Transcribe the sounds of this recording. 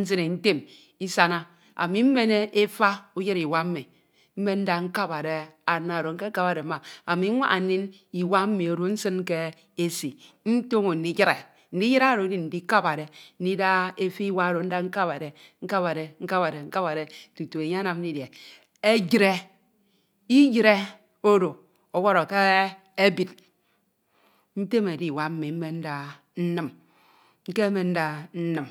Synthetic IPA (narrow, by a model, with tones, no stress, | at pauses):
n̩˦s̬ɨ˦ne˨n̩˦te˦m | i˦sa˦na˦ | a̰˨mi˨m̩˦me˦ne˦e˦fa˦u˦ji˦ɾi˨wa˦m̩˦mi˨ | m̩˦me˦n̩˦da˦ŋ̩˦ka˦pa˨ɾe˦a˨na˨ɾo˨ŋ̩˦ke˦ka˦pa˨ɾe˨˦a˨a˨mi˨˦ŋʷa̰˦ʔa˨ni˦n | i˨wa˦m̩˦mi˨o˨ɾo˦n̩˦sɨ˦n˦ke˦ | e˦si˨ | n̩˦to˦ŋo˨n̩˨˦i˦jɾe˨ | n̩˦di˦ji˦ɾa˦˨ɾo˨˦ni˦nn̩˨di˦ka˦pa˨ɾe˨n̩˦di˦da˦e˦fi˦wa˦ɾo˨˦n̩˦da˦ŋ̩˦ka˦pa˨ɾe˨ŋ̩˦ka˦pa˨ɾe˨ŋ̩˦ka˦pa˨ɾe˨ŋ̩˦ka˦pa˨ɾe˨tu˨to˨e˨ɲe˦na˨m̩˦i˦de˨ | e˦d͡ʒi˦ɾe˦ | i˦d͡ʒi˦ɾe˦ | o˦ɾo˨ | o˨wɔ˦ɾo˨ke˦ | e˦bi˨t | n̩˦te˦me˨di˦˨wa˦m̩˦me˨m̩˦me˦n̩˦da˦ | n̩˦nɨ˦m | ŋ̩˦ke˦me˨n̩˦da˦n̩˦nɨ˦˨m